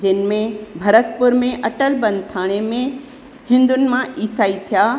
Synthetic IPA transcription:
d͡ʑɪnɪ̆mẽbʱɐɾət̪̚pʊɾmẽʔɐʈəlbɐ̃nd̪t̪ʰaːɽ̃emẽ | hɪ̃nd̪ʊnɪ̆mãʔiːsaːit̪ʰijaː

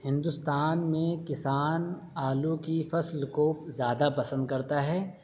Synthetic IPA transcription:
hɪ̃nd̪ust̪aːnmẽkɪsaːn | aːlukifɐslkozjaːd̪apɐsə̃nd̪̚kɐɾt̪aɦɛː

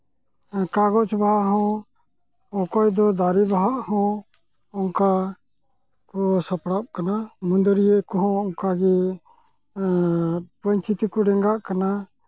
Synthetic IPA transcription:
kaɡɔt͡ʃbaɦaʔɦɔ̃ | ɔkɔjd̪ɔd̪aɾibaɦaʔhɔ̃ | ɔŋka | kɔsapɽap̚kanamund̪ɔɾijekɔɦɔ̃ɔŋkaɡi | pəɲt͡ʃit̪ikɔɖɛŋɡaʔkana

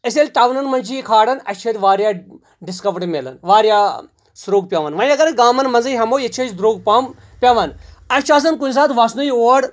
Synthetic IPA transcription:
es̬elʲt̪aːʋnɐnmɐnt͡ʃʰijikʰaːɽɐnɐ̰t͡ʃʰet̪ʲʋaːɾjaː | ɖiskɐʋɾimelɐ̰nʋaːɾjaː | sɾoːɡpʲjaːʋɐnʋɐ̃njɐɡɐɾɡaːmɐnmɐnzɐjɦɐmoːjɐt͡ʃʰet͡ʃd̪ɾoːɡ̚paːm | pʲaːʋɐnɐt͡ʃʰaːs̬ɐnkunʲs̬aːt̪ʋaːsnujioːɽ

